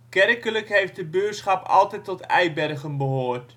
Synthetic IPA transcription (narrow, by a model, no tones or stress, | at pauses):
kɛrkələkɦejft̚dəbøətsχɑpɑ̰lˠtɛtɔtɛ̰jbɛrɣənbəɦoːrt